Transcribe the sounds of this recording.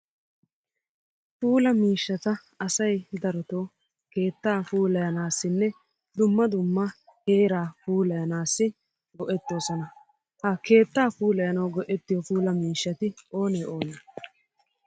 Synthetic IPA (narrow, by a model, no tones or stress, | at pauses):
fuːlɐmiːʃːɐt̪ɐ | ɐsɐjd̪ɐɾɔt̪oː | ke̞ːt̪ːaːfuːlɐjɐnaːsːɪnːɛ | d̪ʊmːɐd̪ʊmːɐ | he̞ːɾaːfuːlɐjɐnaːsːɪ | ɡɔʔɛt̪ːo̞ːsɔnɐ | hɐke̞ːt̪ːaːfuːlɐjɐnɐwɡɔʔɛt̪ːɪjɔfuːlɐmiːʃːɐt̪ɪo̞ːnɛjo̞ːnɐ